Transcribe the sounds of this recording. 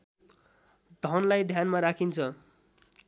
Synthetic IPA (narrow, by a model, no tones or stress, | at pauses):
d̪ʱʌnlajd̪ʱjanmaɾakʰint͡sʰʌ